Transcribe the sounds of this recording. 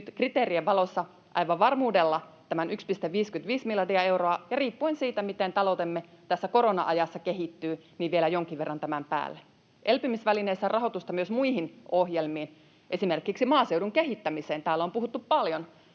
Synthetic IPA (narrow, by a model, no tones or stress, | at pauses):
nyt̪krit̪eːɾieʋɑlo̞sːɑ | ʔɑ̰jʋɑʋʋɑrmuːdelːɑt̪æmænʔykspist̪eʋʋiːskynt̪ʋiːsmilɑdiɑe̞wroɑjɑriːpːuensiːt̪æmit̪ent̪ɑlowt̪emːet̪æsːæko̞ɾonɑ̰ʔɑjɑsːɑkeɦit̪ːyːniʋʋielæjoŋkiʋʋerːɑnt̪æmæmpæ̰ːlːe | ʔelpymisʋælineisːærʔɑɦo̞t̪ust̪ɑmyøsmuihinʔohjelmiːn | ʔesime̞rkiksimɑːsewduŋkeɦit̪ːæmiseːnt̪æːlːompuɦut̪ːuppɑljon